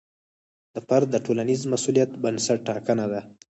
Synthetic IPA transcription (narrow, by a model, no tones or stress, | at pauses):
d̪̥əpaɾd̪əʈolanizmasulijat̪bənsaʈːɑkənad̪a